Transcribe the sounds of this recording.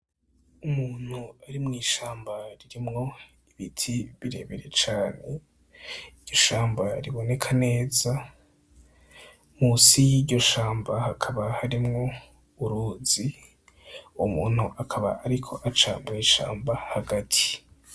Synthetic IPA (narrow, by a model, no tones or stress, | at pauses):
umuːn̥huaɾimŋiːʃaːmbaɾiɾimŋo̞ | iβitʰiβiɾe̞̰ːβe̞ɾe̞t͡ʃaːne̞ | idɟ̥o̞ʃaːmbaɾiβo̞ne̞kʰane̞ːza | musijiːɟo̞ʃaːmbahakʰaβahaɾimŋo̞ | uɾuːzi | umuːn̥huʔakʰaβa̰ʔaɾikʰo̞ʔat͡ʃa̰ːmbuiʃa̰ːmbahaɡatʰi̥